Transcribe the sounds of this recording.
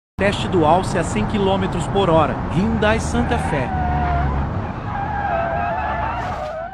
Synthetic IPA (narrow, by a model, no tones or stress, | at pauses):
t̪ɛst͡ʃɪd̪ʊawsɪɐsẽj̃kilõmet̪ɾʊspoɾɔɾɐ̰hĩd̪ajsɐ̃nt̪ɐfɛ